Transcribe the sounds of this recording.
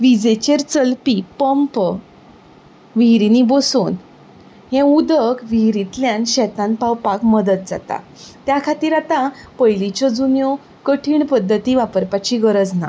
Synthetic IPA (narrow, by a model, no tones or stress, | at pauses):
ʋid͡zet͡ɕeɾt͡səlpipəmp | ʋiɦɾiniboson | ɦɛ̃ud̪əkʋiɦɾit̪ljãnɕɛt̪ãnpawpakməd̪ət̪̚d͡za̰t̪a̰ | t̪jakʰat̪iːɾat̪ã | pəjlit͡ɕɔd͡zunjɔ | kəʈʰiːɳpəd̪ʱːət̪iʋapəɾpat͡ɕiɡəɾəd͡zna̰